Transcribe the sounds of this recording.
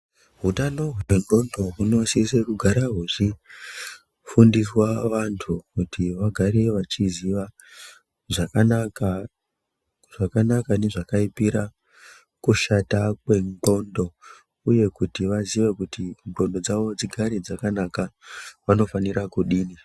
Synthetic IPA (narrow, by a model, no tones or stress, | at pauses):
ɦutanoweŋɡo̞ndo̞ɦuno̞sisekuɡʱaɾaɦuʐi | fundiswaʋantʰukutiʋaɡʱaɾe̞ʋat͡ʃiziʋa | ʐakanaka | ʐ̥akanakane̞ʐakaipiɾa | kuʃatakwe̞ŋɡo̞ndo̞ | uje̞kutiʋaziʋe̞kutʰiŋɡo̞ndo̞d͡zaʋo̞d͡ziɡʱaɾed͡zakanakaʋano̞faniɾakuɗiːni